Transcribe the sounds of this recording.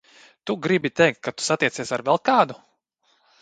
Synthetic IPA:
t̪uɡɾibit̪ɛjk̚t̪̚kʰːat̪u̥sat̪iɛsiɛsaɾvɛlˠkaːd̪u

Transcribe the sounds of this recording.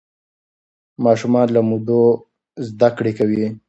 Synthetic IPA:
mɑʃumɑnlamud̪o | zd̪akɽekawi

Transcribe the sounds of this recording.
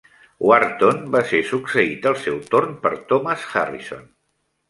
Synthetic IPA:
waɾt̪onbasesuksəit̪əlˠsɛwt̪ornpəɾt̪ɔməsxa̰rḭso̰n

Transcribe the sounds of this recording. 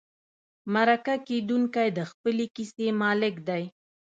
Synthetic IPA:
maɾakaked̪uŋkajd̪əxpəlekisemɑlɪkd̪aj

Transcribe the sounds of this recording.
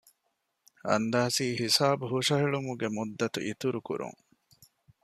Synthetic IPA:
ɐ̰nd̪aːsiːhisaːbuɦuʂɐɦiɭumuɡemud̪ːɐt̪ṵʔit̪uɾukṵɾṵŋ

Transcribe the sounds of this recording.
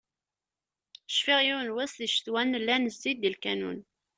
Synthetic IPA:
əʃfiʁjuwnwæsðiʃθwænːlːænəzːid̪ilkænṵn

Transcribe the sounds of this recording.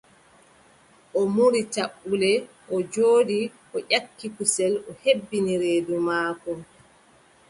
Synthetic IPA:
ʔɔmuɾitaɓːulɛ | ʔɔd͡ʒoːɗiʔɔʔakːikusɛlɔhebːiniɾeːdumaːkɔ

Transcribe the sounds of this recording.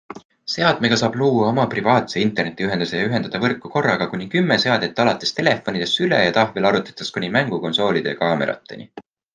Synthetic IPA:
se̞ɑd̪̥me̞ɡ̥ɑsɑːb̥luːwːɑomɑprivɑːt̪se̞int̪ˑe̞rne̞t̪ːˑiyɦe̞nd̪̥usejɑyɦe̞nd̪ɑd̪̥ɑvɤrkːuko̞rːɑɡ̥ɑkunʲikymːese̞ɑd̪et̪ːˑɑlɑt̪ːˑe̞st̪e̞le̞fːo̞nʲid̪̥e̞sylḛjɑt̪ɑhvelɑɾut̪ːˑɑ̥t̪ːˑɑskunʲimæŋɡ̥uko̞nso̞ːlʲid̪̥e̞jɑ̰kɑːme̞̰ɾɑ̰t̪ˑːe̞̰nʲḭ

